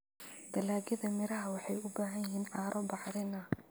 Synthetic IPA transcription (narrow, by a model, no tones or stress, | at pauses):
d̪ɐlaːɡɐðɐmɪɾɐɦɐwɑħɑjʊbaːɦɐjɪɦiːnʕɑːɾʔɔbɑħðɪnɐ